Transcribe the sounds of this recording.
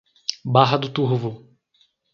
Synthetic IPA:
baɦɐd̪ʊt̪uɦvʊ

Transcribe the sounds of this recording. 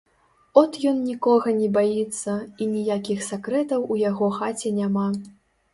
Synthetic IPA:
ɔt̪jɔnnʲikɔɣɐnʲɛbajit̪sːɐinʲijakʲixsʲakɾɛt̪ɐwujaɣɔxat͡sʲɛnʲama

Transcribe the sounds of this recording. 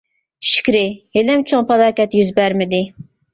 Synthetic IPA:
ʃi̥kʲɾɪhelɪmt͡ʃʰoŋpʰɑlˠɑːkʲɛt̪jyzbæɾmɪd̪ɪ

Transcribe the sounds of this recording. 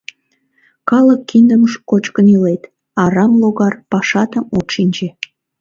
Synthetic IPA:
kɑləkːind̪əməʃkot͡ɕkənilet̪ | ɑɾɑmloɣɑrpɑʃɑt̪əmot̪ʃinʲd͡ʒe

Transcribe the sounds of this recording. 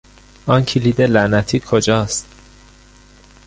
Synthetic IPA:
ɒːncʰilid̪elænæt̪ʰiːkʰod͡ʒɒːst̪

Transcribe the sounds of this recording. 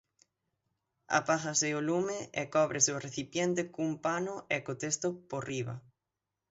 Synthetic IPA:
a̰paθaseolumeekɔβɾʔeseoreθipjent̪̬ekumpanoekot̪est̪oporiβɐ̰

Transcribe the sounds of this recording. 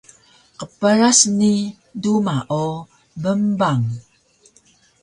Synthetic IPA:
qəpəɾasni | dumaʔo | bəmbaŋ

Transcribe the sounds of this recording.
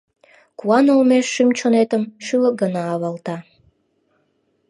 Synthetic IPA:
kuɑnolmeʃːymt͡ɕonet̪əmʃylək̚ɡənɑːβɑlt̪ɑ

